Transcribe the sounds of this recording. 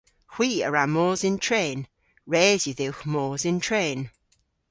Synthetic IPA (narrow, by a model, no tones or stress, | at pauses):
xw̥iːəɹamɔːzɪntʰɹeːn | ɹɛːzjəðɪwxmɔːzɪntʰɹeːn